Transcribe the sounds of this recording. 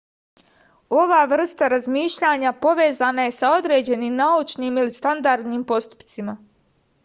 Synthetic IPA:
o̞ʋaːʋr̩st̪aɾazmiːʃʎaɲapo̞ʋe̞ːzanaje̞sao̞d̪ɾe̞ːd͡ʑe̞nimnaut͡ʃniːmilist̪and̪aɾd̪niːmpo̞st̪u̥pt̪sima

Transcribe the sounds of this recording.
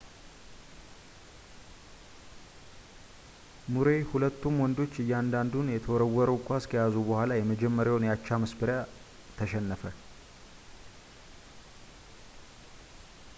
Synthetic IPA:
muɾe̞hulət̪ːumwɔnd̪o̞t͡ʃːɨjːɛand̪and̪unjɛt̪ʰəwɔɾəwːɔɾəwkʷʼaskʰəjazubəhʷalajɛməd͡ʒɛmːəɾjawnjat͡ʃːaməsbɨɾja | t̪ʰəʃɛnːəfə

